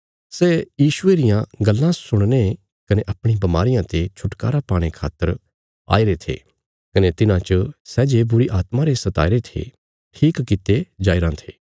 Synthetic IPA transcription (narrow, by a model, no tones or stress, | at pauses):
sɛːjiːʃʊeɾɪjãɡɐlːãsʊɽ̃ne | kɐneʔɐpɽ̃ibɐmaːɾɪjãt̪et͡ʃʰʊʈka̰ːɾapaːɽ̃ekʰa̰ːt̪əɾ | a̰ːiɾet̪ʰḛː | kɐnet̪ɪnãt͡ʃəsɛːd͡ʒebʊɾiʔaːt̪mãɾesɐt̪a̰ːiɾet̪ʰḛ | ʈʰiːkkɪt̪ed͡ʒaːiɾãt̪ʰḛː